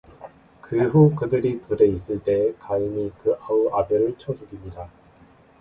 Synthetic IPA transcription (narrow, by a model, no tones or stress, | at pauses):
kɯɸukɯdɯɾipuɾe̞is̬͈ɯɭt͈e̞kaimikɯʔauʔabjʌɾɯɭt͡ɕʰʌd͡ʑuɡimɲida